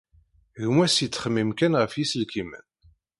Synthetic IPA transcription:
ʝmæsit͡sːχəmːimkænʁəfjisəlkimən

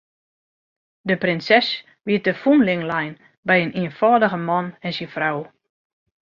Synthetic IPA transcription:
dəprɪnsɛs | ʋiət̚dəfunlɪŋlajn | bɛjəniənfɔːdəɣəmɔnɛnsinfraw

